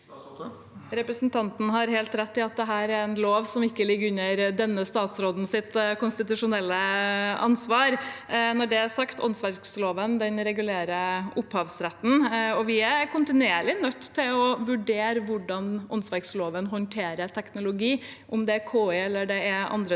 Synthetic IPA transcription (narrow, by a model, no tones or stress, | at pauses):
ɾɛpɾəsnt̪ʰɑnt̪n̩ɦɑɾheːlt̪ɾɛt̪ːɪɑt̪̚d̪ɛɦæːɾɛɾɛnloːʋsɔmɪkːəlɪɡːʉnəɾd̪ɛnːəst̪ɑːt̪sɾoːd̪n̩sɪt̪kʊnst̪ɪt̪ʉʂʊnɛlːəʔɑ̰nsʋɑːɾnɔɖɛæsɑkt̪ʰɔ̰nsʋæɾksloːʋənd̪ɛnɾɛɡʉleːɾəʊphɑːʋsɾɛt̪ːn̩ɔʋɪækʰʊnt̪ɪnʉeːɭɪnœt̪ːt̪ʰːɪlɔʋʉɖeːɾəʋʊɖːɑnʔɔnsʋæɾksloːʋənɦɔnt̪ʰeːɾəʈ̪ʰɛknʊlʊɡiːʔʊmd̪ɛækʰoːɛɛlːəɖɛɛʔɑ̰nd̪ɾə